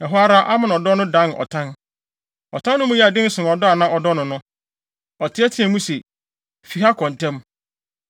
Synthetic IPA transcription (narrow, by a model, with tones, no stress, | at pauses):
ɛ˨ɦʊ˦a˦ɾa˦ʔa˦mã˨n˨ɔ˨dɔ˦nʊ̃˦dã˦nɔ̰˨tʰã˦n | ɔ˨tʰã˦nːʊ̃˦mũ˦jɛ˦a˨dɪ̃˦n̩˦sʊ̃˨n˨ɔ˨dɔ˦a˨nã˦ʔɔ˨dɔ˦nʊ̃˨nʊ̃˦ | ɔ˨tʰɪ˦ɛ˦tʰɪ̃˨˦ɛ̃˨mũ˦se˨ | fi˨ɦa˦kʰɔ̃˨n˨tʰɛ̃˦m